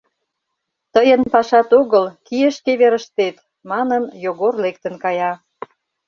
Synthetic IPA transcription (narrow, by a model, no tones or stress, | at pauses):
t̪əjənpɑʃɑt̪oɣəlkijəʃkeβeɾə̆ʃt̪et̪ | mɑnənjoɣorlekt̪ə̆nkɑjɑ